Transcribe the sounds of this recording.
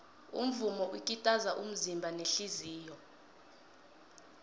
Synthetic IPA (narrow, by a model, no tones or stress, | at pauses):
ṵm̩vumɔʔikʼitʼazaʔum̩zimbʱaneɬiziːjɔ